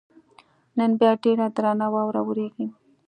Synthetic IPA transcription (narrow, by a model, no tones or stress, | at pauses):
nənbjɑɖeɽad̪ɾɑnawɑwɾa̰wəɾeɡi